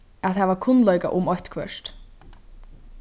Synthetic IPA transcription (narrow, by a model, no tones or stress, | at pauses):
aðhɛvakʰʊnlɔjka̰ʔʊmɔçt̪kʰvœ̰ʃt̪